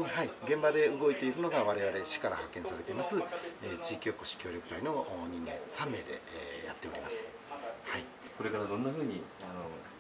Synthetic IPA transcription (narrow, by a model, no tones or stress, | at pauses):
haiɡẽ̞mbad̪e̞ɯɡo̞it̪e̞iɾɯ̟no̞ɡaβaɾe̞βaɾe̞ɕi̥kaɾa̰hakːẽɰ̃saɾe̞t̪e̞imasɨet͡ɕiːkʲo̞ːko̞ɕi̥kʲo̞ːɾʲokɯ̟t̪aino̞ɲ̟ĩnːẽ̞ñsãmːe̞ːd̪e̞̰ja̰t̪ːe̞o̞ɾʲimasɨ̥ | hai | ko̞ɾe̞kaɾad̪õ̞nːaɸɯ̟ːɲ̟iano